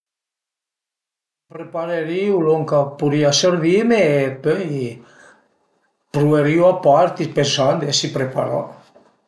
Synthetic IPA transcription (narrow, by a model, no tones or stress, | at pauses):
pɾepaɾeɾiuloŋkapuɾiaseɾvimeːpøj | pɾuveɾiwapaɾt̪ipensand̪esipɾepa̰ɾɔ̰